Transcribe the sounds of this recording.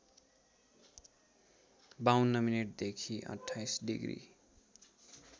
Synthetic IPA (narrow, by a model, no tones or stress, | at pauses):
bawunːʌmineʈ̚d̪ekʰiʔʌ̰ʈʰːajsɖḭɡrḭ